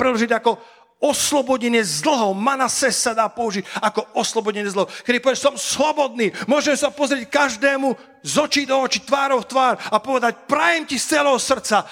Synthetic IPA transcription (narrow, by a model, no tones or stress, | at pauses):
pɾɛdlɔʒiɟakɔ | ɔslɔbɔɟɛɲɪɛzl̩ɦɔʊmanasɛssad̪aːpɔuʒiɟakɔɔslɔbɔɟɛɲɛzl̩ɦɔʊkɛd̪ipɔʋɛɛsɔmslɔbɔd̪niːmʊɔʒɛmsapɔzɾɪɛc̚kaʒd̪ɛːmu | zɔt͡ʃiːd̪ɔɔt͡ʃit̪ʋaːɾɔʊft̪ʋaːɾapɔʋɛd̪ac̚pɾajɛmcist͡sɛlɛɦɔsr̩t͡sa